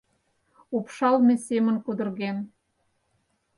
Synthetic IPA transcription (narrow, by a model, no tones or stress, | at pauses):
upʃɑlmesemə̆nkud̪ə̆rɣen